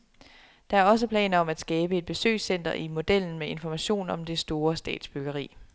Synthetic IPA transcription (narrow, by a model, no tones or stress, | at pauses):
d̥ɑ̈æɐɒ̽s̬əpʰlɛ̰ːnɐɒ̽mæd̥sɡ̥ɛːb̥əe̝d̥̚b̥e̝sø̰ɪsen̰d̥ɐʔimo̝d̥el̰n̩mee̝nfɒmæɕo̝̰ːnɒ̽md̥e̝sd̥o̝ːɐsd̥ɛ̰ːd̥sb̥yɡ̥ɐʁḭː